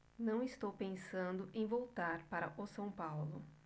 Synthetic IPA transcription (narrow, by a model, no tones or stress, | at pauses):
nɐ̃w̃ist̪owpẽsɐ̃nd̪ʊʔẽj̃vowt̪aɾpaɾɐʔʊsɐ̃w̃pawlʊ